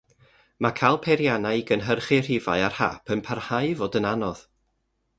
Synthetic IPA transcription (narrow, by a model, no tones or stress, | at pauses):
makʰalˠpʰɛɾjanaɨɡənɦərχɪr̥ɪva̰ɨarha̰pʰənpʰarhaɨvɔdənanɔð̥